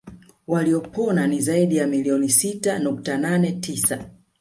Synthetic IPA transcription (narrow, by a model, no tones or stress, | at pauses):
waliɔpɔnanizaiɗijamiliɔnisitanuk̚tananɛtʰisa